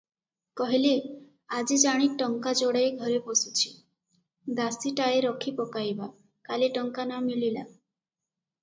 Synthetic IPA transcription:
kɔɦile | ad͡ʒid͡ʒaɽ̃iʈɔŋkad͡ʒoɽajɡʱɔɾepɔsut͡ʃʰi̥ | d̪asiʈaeɾɔkʰipɔkajba | kaleʈɔŋkanamilila̰

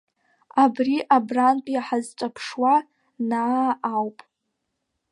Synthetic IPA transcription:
abriʔabranpʼiaħazt͡ʃʷʼapʰʂwa | naːwpʼ

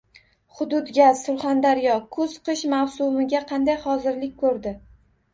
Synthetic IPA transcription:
χʊd̪ʊd̪ɡʲazsʊɾχand̪aɾjɒkʰɵz̥qʰɨʃmawsʊmɪɡʲaqʰɑnd̪ajχɒzɪɾlɪk̚ʲkʰɵɾd̪ɪ

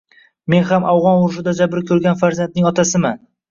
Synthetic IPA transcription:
me̞nχamʔawʁɒnʊɾʃɪd̪ad͡ʒabɾɪkʲʰɵɾɡʲanfaɾzand̪̚nɪŋɒt̪ʰasɪman

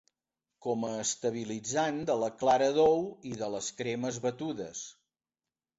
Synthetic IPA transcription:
kɔməːst̪əβ̞ilid͡zand̪ələklaɾəðowiðələskɾeməzβət̪uðəs

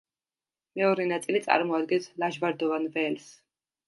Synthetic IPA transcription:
mɛɔɾɛnat̪sʼilit̪sʼa̰ɾmɔad̪ɡɛnslaʒvaɾd̪ɔvanvɛls

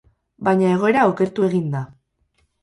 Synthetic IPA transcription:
bajɲae̞ɣ̞o̞e̞ɾaoke̞ɾt̪ue̞ɣind̪a

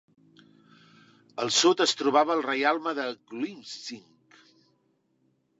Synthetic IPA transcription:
əlˠsot̪əst̪ɾuβ̞aβəːlˠrəjalˠməðəɡlimsiŋk

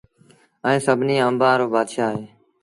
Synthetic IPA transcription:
ə̃ẽːsəbʱniːəmbãːɾoːbaːd̪ʃaːɦeː

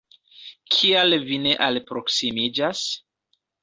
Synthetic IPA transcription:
kʰialvine̞ʔalpɾo̞ksimid͡ʒas

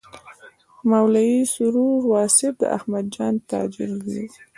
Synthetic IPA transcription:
mawlajisʊɾuɾwɑsɪb̚d̪ə̰ʔa̰hmad̪̚d͡ʒɑnt̪ɑ̰d͡ʒɪɾwi

